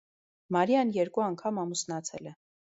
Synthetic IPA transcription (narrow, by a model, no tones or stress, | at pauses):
mɑɾjɑnjɛɾkuɑŋkʰɑmɑmusnɑt͡sʰɛlɛ